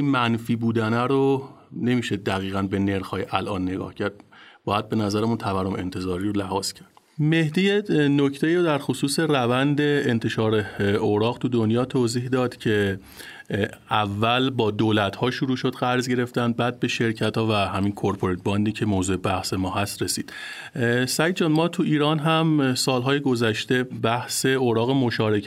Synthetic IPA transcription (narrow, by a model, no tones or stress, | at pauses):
imænfiːbuːd̪ænæɾo | ne̞miːʃed̪æɣiːɣænbe̞ne̞ɾxɒːjʔælʔɒːnːe̞ɡɒ̰ːhcʰæɾd̪̥̚b̥ɒːjæd̪̚be̞næzæɾæmunt̪ʰævæɾːome̞̰nt̪ʰe̞zɒːɾiːɾolæhɒːz̥cʰæɾd̪̥ | me̞hd̪ijeno̞cʰt̪ʰe̞iːɾod̪æɾxosuːse̞rævænd̪eːnt̪ʰe̞ʃɒːɾeoɾɒːɣt̪ʰud̪onjɒːt̪ʰoːziːhd̪ɒːd̪̥cʰe̞ | ʔævːælbɒːd̪oːlæt̪hɒːʃuɾuːʃod̪ɣæɾzɟe̞ɾe̞ft̪ænd̪̚bæːd̪̚be̞ʃe̞ɾcʰæt̪hɒːvæhæmiːnkʰoɾpʰoɾet̪̚bɒnd̪iːcʰe̞moːzuːebæhse̞mɒːɦæst̪ɾe̞siːd̪̥ | sæjd̪d͡ʒɒːnmɒːt̪ʰuʔiːɾɒːnɦæmsɒːlɦɒːjeɡo̞zæʃt̪e̞bæhse̞oɾɒːɣemoʃɒːɾe̞cʰ